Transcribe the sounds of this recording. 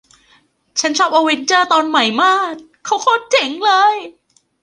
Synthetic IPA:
t͡ɕʰa˦˥nt͡ɕʰɔː˥˩p̚ʔa˧we˦˥nt͡ɕɤː˧t̪ɔː˧nma˨˩jmaː˥˩k̚ʰːa˦˥wkʰoː˥˩t̪̚t͡ɕe˨˩˦ŋlɤː˧j

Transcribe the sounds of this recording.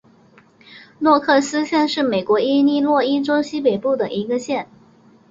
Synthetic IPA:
nwɔ˥˧kʰɤ˥˩sɹ̩˥ɕjɛ˥˧nʂɻ̩˥˩me˨˩ɪkwɔ˧˥i˥ni˥˧lwɔ˥˩i˥ʈ͡ʂo˥ʊɕi˥pe˨˩ɪpu˥˩d̪ə˩ʔi˧˥ɡə˧ɕjɛ˥˩n

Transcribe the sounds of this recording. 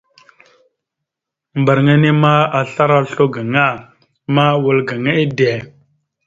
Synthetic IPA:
mba˨ɾŋa˦ne˦ma˦a˨ɬa˦ɾa˦ɬo˦ɡa˨ŋa˦˨ | ma˦wə˨lɡa˨ŋa˦e˦de˨

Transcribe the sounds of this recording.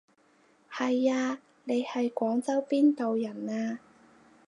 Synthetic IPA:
hɐ˨jaː˧ | ne˨˧jhɐ˨jkʷɔː˨˥ŋt͡sɐ˥wpiː˥nt̪o˨wjɐ˨˩naː˧

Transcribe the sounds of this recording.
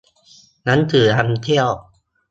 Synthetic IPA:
na˦˥nt̪ʰɯː˩˦tʰa˧nt̪ʰi˥˩əw

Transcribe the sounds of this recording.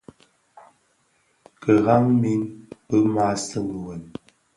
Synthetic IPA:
kə˨ɣa˦ŋmi˦npə˦ma˦sə˦˨ŋə˨wə˨n

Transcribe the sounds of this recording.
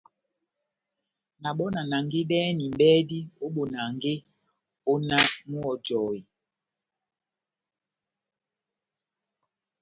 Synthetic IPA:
na˨ɓɔ˦na˨na˨ŋɡe˦ɗɛː˦ni˨m̩˦bɛː˦di˦o˦ɓo˨na˨ŋɡe˦ | o˦na˦mu˦ɔ˨d͡ʒɔː˨i˨

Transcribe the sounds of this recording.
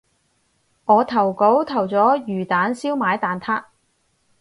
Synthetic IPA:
ŋɔː˨˧t̪ʰɐ˨˩wko˨˥wt̪ʰɐ˨˩wt͡sɔː˨˥jyː˨˩t̪aː˨˥nsiː˥wmaː˨˥jt̪aː˨nt̪ʰaː˥k̚

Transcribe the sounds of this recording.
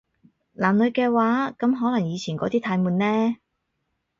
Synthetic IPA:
laː˨mlɵ˨˧ɥkɛː˧waː˨˥kɐ˨˥mɦɔː˨˥lɐ˨˩ŋjiː˨˧t͡sʰiː˨˩nkɔː˨˧t̪iː˥t̪ʰaː˨˧jmuː˨nlɛː˥

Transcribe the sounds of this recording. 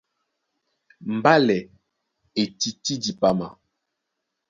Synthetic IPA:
m̩˨ba˦lɛ˨ | e˨ti˨ti˦di˨pa˨ma˨

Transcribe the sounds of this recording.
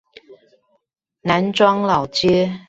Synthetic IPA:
na˨˦nʈ͡ʂwɑ˥ŋlɑ˨˩ʊt͡ɕjɛ˥

